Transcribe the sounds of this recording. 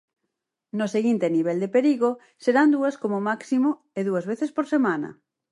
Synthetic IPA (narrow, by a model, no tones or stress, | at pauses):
noseɣint̪eniβ̞eld̪epeɾiɣo | seɾand̪uɐskomomaksimo | eðuazβeθespoɾsemanɐ̰